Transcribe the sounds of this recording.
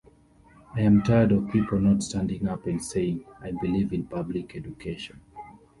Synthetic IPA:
aɪãmtʰaɪədɔv̥pipl̩ˠnɔtstæ̃ndɪ̃ŋapɨ̃ndseɪɪ̃ŋajbilivɪ̃npablikʰɛd͡ʒukʰeʃə̃n

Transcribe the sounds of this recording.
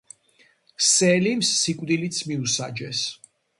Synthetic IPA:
sɛlimsːikʼvd̪ilit̪sʰmiusad͡ʒɛs

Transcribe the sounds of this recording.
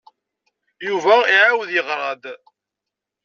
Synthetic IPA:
juvæiʕawðjəʁɾˤɑd̪

